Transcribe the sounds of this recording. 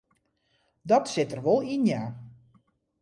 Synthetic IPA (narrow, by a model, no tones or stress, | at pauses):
dɔtsɪtərʋɔlˠinjaː